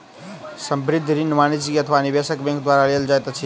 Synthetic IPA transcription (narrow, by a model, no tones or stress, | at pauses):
səmbɾid̪ʱːɾinmanid͡ʒikiət̪ʰəʋanibesəkbẽŋkd̪waɾaleld͡ʒajt̪at͡ʃʰi